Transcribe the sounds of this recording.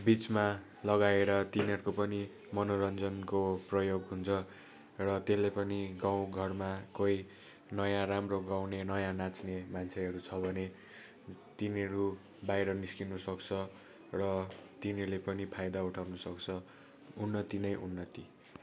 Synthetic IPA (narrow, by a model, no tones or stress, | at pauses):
bit͡sma | lʌɡaeɾʌt̪iniɦʌɾukopʌni | mʌnoɾʌnd͡zʌnkoprʌjoɡɦunt͡sʰʌ | rʌt̪elːejpʌniɡaw̃ɡʱʌrmakoj | nʌjãɾamroɡawnenʌjãnat͡snemant͡sʰeɦʌɾut͡sʰʌbʱʌne | t̪inɦʌɾu | bajɾʌniskinusʌkt͡sʰʌ | rʌt̪inʌlepʌnipʰajd̪auʈʰawnʌsʌkt͡sʰʌ | unːʌt̪inʌjʔunːʌt̪i